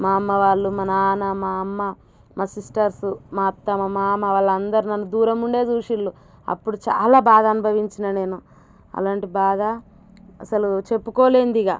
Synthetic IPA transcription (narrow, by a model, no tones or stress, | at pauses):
maːɐmːɐʋaːɭːumɐnɐaːnɐmaːɐmːɐ | maːsisʈɐɾsumaːt̪ːɐmɐmaːmɐʋaːɭːɐnd̪ɐɾinɐnːud̪uːɾɐmuɳɖe̞ːd͡ʒuːʃiɭːu | ɐ̰pːuɽut͡ʃa̰ːlaːbaːd̪ɐɐnubʱɐʋiɲt͡ʃinɐne̞ːnu | ɐ̰laːɳʈibaːd̪ɐ | ɐsɐlut͡ʃe̞pːukɔːleːnd̪iɡaː